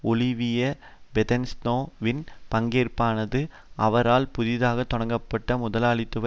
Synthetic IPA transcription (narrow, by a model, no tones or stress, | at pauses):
ɔlɪʋɪjɐ | bɛðɛnsnoːʋɪnpɐŋɡeːrpaːnɐðɯ | ʔɐʋɐɾaːlpʊðɪðaːɣɐt̪ːɔɽɐŋɡɐpːɐʈːɐmʊðɐlaːɭɪt̪ːɯʋɐ